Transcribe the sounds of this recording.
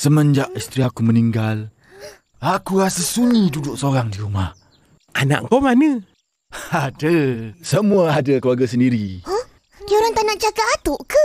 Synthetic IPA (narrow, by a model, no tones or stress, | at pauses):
səməɲd͡ʒaʔist̪ɾiakuməniŋɡal | akuɾasəsuɲidudʊʔsoɾaŋdiɾumah | ʔana̰ʔkɔmanə | adəsəmuaadəkəluaɡas̬əndiɾiɔh | kioɾaŋt̪anaʔd͡ʒakaːt̪ʊʔkə